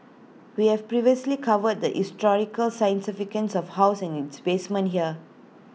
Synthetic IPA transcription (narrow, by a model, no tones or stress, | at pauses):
wihɛvpɹiviəslikʰavəd̚d̪əʔistɔɹikəlsãj̃nsifikə̃nsɔfhaʊsɛ̃nitsbesmə̃nɦiə